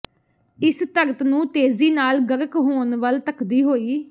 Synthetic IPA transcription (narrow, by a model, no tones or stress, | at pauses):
ɪst̪əɾt̪nũːt̪eːziːnaːlɡəɾəkɦoːnʋəlt̪əkʰd̪iːɦoːiː